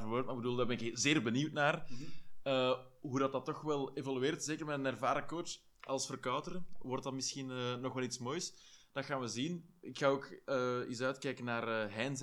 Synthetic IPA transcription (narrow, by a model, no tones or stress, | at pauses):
vwøːrt̚maːɪɡbəduːlˠdarbɛnɪkzɪːrbəniwtnaːr | əː | ɦudɑt̚dɑtːɔxʋɛlˠevɔlyeːrtzeːkərmɛtənɛrvaːɾəkoːt | ʔɑlˠsfərkɑwtərəʋɔrtdɑtmɪsxinənɔxʋɛlˠitsmoːjsd̥ɑxaːnʋəzinɪkxaːoːkəisœɥtkɛjkənːaːrəːɦɛːnz